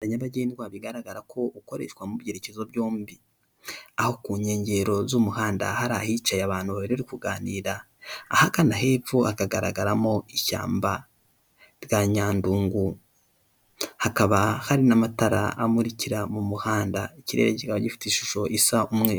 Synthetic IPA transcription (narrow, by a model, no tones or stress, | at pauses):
aɲaβaɟeːniwaβiɡaɾaɡaɾakʰo̞uko̞ɾe̞̰ʃwamuβje̞ɾe̞cezo̞bjoːmbi | aho̞kuːɲe̞ːɲɟe̞ɾo̞zumuhaːnda̰haɾahit͡ʃajaβaːn̥huβaβeɾeaɾikuɡaːniːɾaː | hakanaɦe̞ːfuhakaɡaɾa̰ɡaɾamoiʃa̰ːmba | ɾjaɲaːnduːŋɡu | hakaβahaɾinamataɾaːmuɾiciɾamumuhaːndaiciɾe̞̰ːɾecikaβaɟifi̥teiʃu̥ʃo̞ʔisaʔumŋe̞